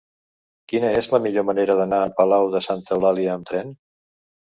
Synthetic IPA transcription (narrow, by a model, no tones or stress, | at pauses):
kinəezləmiʎoməneɾəðənaːpəlawðəsant̪əwlaliəːmt̪ɾɛn